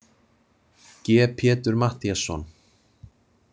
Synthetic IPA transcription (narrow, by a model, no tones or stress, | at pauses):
cɛːpʰjɛːt̪ʏɾmaht̪iasːɔ̰n